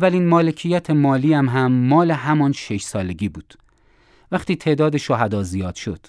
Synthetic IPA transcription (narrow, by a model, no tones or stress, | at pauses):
vælinmɒːlecʰijæt̪ʰemɒːliːæmɦæmːɒːle̞ɦæmɒːnʃe̞ʃsɒːle̞ɟiːbuːd̪̥ | væxt̪iːt̪ʰe̞ːʔd̪ɒːd̪e̞ʃoɦæd̪ɒːzijɒːd̪̥ʃod̪̥